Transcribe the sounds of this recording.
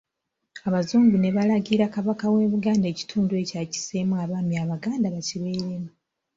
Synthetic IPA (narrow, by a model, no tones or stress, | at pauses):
aβazuːmɟune̞βalaɡiɾakaβakaweːβuɡaːnde̞ci̥tʰuːndue̞caci̥semwaβaːmjaβaɡaːndaβaciβe̞ːɾemu